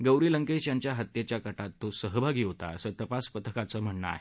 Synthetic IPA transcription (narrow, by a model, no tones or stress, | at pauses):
ɡəwɾiləŋkesjaɲt͡ɕjaɦat̪jet͡ɕjakəʈat̪ːosəɦəbʱaɡiːɦot̪a̰əsət̪əpaspət̪ʰəkat͡səːm̤əɳɳə̰a̰ɦe